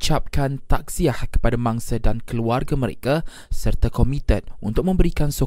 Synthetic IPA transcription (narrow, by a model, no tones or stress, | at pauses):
t͡ʃap̚kant̪ak̚siahkə̥padamãŋsadankəluarɡaməɾḛka | sərt̪akomĩt̪ən̚ṵnt̪ʊk̚mə̃mbəɾikanso